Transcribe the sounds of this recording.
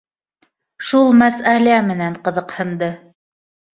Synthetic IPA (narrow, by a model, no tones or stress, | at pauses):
ʃulˠmæsælæmɘ̆næɴqɤ̆ðɤ̆qhɤ̆nd̪ɤ